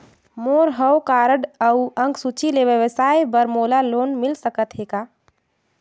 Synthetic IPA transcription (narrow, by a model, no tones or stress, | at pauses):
moːɾɦəwkaːɾəɽəwə̃ŋɡsut͡ʃʰileʋjəʋəsaːjbəɾmoːlaloːnmɪlsəkət̪ɦeːɡaː